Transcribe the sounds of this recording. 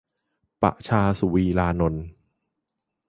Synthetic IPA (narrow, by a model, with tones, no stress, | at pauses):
pa̰˨˩ʔt͡ɕʰaː˧su˨˩wiː˧laː˧no˧n